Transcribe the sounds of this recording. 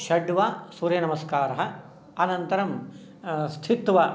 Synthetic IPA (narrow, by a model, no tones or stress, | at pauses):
ʃɐɖʋaːsuːɾjɐnɐmɐskaːɾɐɦɐ | ɐnɐnt̪ɐɾɐm | st̪ʰit̪ʋɐ